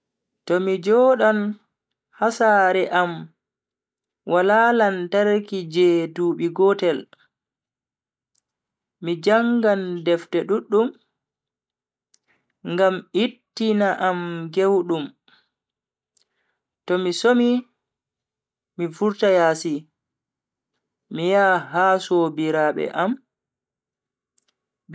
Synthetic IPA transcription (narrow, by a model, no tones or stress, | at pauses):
tɔmid͡ʒɔːɗan | hasaːɾɛʔam | wʔalaːlantaɾkid͡ʒɛduːɓiɡɔtɛl | id͡ʒaŋɡandɛftɛɗuɗːum | ŋɡamitːinaʔamɡewɗum | tɔmisomi | ifuɾtajaːsi | ijaːɦasobiɾaɓɛ̰ʔam